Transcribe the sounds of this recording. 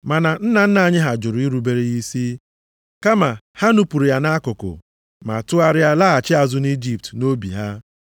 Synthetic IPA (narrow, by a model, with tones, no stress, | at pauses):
ma˨na˨n̩˦na˨n̩˦na˨˦˨ɲɪ˦ɦa˨d͡ʒʊ˨ɾʊ˨˦i˦ɾu˨be˨ɾe˦ɣi˦si˦ | ka˦ma˨ha˦nu˦pu˨ɾi˨ja˦na˦kʊ˨kʊ̰˨ | ma̰˨tʊ˦a˦ɾɪ˦a˦la˦a˨t͡ʃɪ˦a˨zʊ˦ni˦d͡ʒi˦p̚tno˦bḭ˨ɦa˦